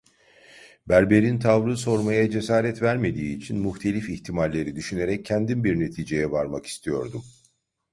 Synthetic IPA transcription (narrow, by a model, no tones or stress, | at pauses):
bæɾbe̞ɾint̪ʰavɾɯso̞ɾmajad͡ʒe̞saːɾɛt̪væɾme̞d̪iːt͡ʃʰinmuxt̪ʰe̞lʲifiçt̪ʰimalʲːe̞ɾid̪yʃyne̞ɾɛcʰːɛnd̪inbiɾne̞t̪ʰiːd͡ʒe̞jɛvaɾmaki̥st̪ʰijo̞̰ɾd̪um